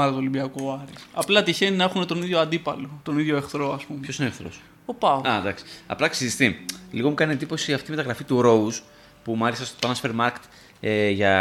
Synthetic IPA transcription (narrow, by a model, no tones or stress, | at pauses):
ɐlot̪olibiɐkoɐɾisɐplɐt̪içeninɐexune̞t̪o̞niðʝo̞ɐnd̪ipɐlo̞t̪o̞niðʝo̞e̞xθɾo̞ɐspumeçosinoxθɾo̰s | opɐoɐd̪ɐksi̥ɐ̰plɐksizist̪iliɣo̞mukɐnie̞nd̪ipo̞siɐft̪imet̪ɐɣɾɐfit̪uɾo̞us | pumɐlisɐst̪op̪ɐnɐsu̥feɾmɐɾke̥t̪ | eʝɐ